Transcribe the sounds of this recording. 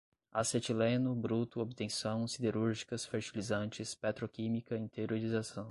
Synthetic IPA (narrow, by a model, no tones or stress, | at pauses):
aset͡ʃilẽnʊbɾut̪ʊobt̪ẽsɐ̃w̃sid̪eɾuɾʒikɐsfeɾt͡ʃilizɐ̃nt͡ʃɪspat̪ɾokĩmikɐẽt̪eɾoɾizasɐ̃w̃